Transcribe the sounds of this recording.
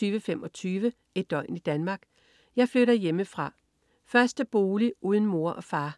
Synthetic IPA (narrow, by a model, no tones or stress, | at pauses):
yːʋəfem̰ɒ̽t͡sʰyːʋə | e̝d̥̚ɒ̽ɪ̰nid̥ænmɑ̈ːɡ̥ | jɑ̈ɪfløɾɐjeməfʁɑ̈ | fɶɐsd̥əb̥o̝ːliuːð̞ˠn̩mo̝ɐ̰ʔɒ̽fɑ̈ː